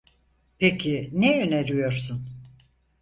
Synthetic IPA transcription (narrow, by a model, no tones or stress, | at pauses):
pʰecʰinejøneɾyjo̞ɾsun